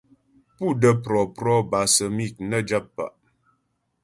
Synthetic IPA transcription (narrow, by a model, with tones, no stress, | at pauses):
pu˦˨də˦pɾɔ˨pɾɔ˦ba˨sə˨mi˦˨k̚nə˦d͡ʒa˦pːa̰˨ʔ